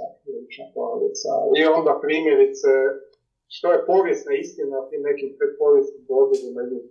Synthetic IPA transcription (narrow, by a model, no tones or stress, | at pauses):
akɾilit͡ʃnapo̰no̰dḭt̪sa̰io̞nd̪apɾiːmʲjeɾit̪sɛ | ʃt̪ojepo̞ʋjest̪naist̪inat̪imnekip̪ɾipoʋjesniboɡed̪imalu